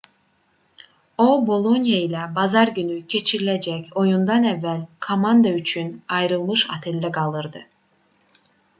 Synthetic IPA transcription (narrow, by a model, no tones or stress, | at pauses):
o̞bolˠonjailʲɛbazaɾɟynycʰe̞t͡ʃʰiɾilʲed͡ʒɛco̞jund̪anɛvːælʲkʰo̞mand̪ayt͡ʃʰynajɾɯlˠmɯʃa̰t̪ʰɛlʲːɛkʰalˠɯɾd̪ɯ